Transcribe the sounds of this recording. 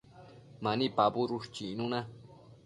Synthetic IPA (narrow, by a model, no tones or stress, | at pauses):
manipabʊɾʊʃt͡ʃinuna